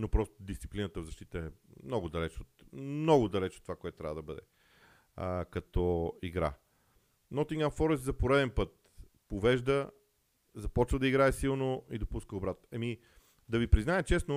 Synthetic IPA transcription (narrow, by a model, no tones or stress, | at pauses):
nopɾɔst̪od̪ist̪si̥plinət̪əvzɐʃt̪it̪əɛmnɔɡʊd̪ɐlɛt͡ʃot̪mnɔɡʊd̪ɐlɛt͡ʃot̪ːovakoɛt̪ʊt̪ɾavəd̪ɐbəd̪ɛ̰ | kɐt̪ɔiɡɾa̰ | nɔt̪iŋɡanfɔɾɛszɐpoɾɛd̪ɛnpɤt̪̚ | povɛʒd̪ə | zɐpɔt͡ʃvəd̪ɐiɡɾaɛsilˠnoid̪opuskəʊbɾat̪nɛmi | d̪ɐvipɾiznaɛt͡ʃɛsno